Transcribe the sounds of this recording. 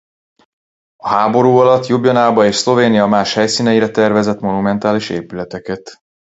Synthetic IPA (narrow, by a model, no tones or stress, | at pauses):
ɒhaːbo̞ɾuːɒlɒt̪jobjɒnaːbɒeːʃslo̞veːnijɒmaːʃhɛjsiːnɛjiɾɛt̪ɛrvɛzɛt̪mo̞numɛnt̪aːliʃḛːpylɛt̪ɛkɛt̪